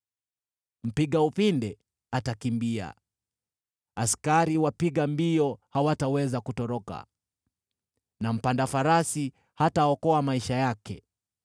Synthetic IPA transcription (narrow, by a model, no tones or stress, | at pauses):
m̩piɠaupindɛ | atakimbia̰ | askaɾiwapiɠambiɔhawatawɛzakutɔɾɔka̰ | nam̩pandafaɾasi | hataɔkɔamaiʃajakɛ